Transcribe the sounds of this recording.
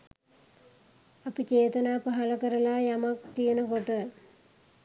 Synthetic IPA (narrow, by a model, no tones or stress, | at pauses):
ɐpːit͡ɕeːt̪ɐnaːpɐɦɐɭɐkɐɾɐlaːjɐmɐkkːijɐnɐkoʈːɐ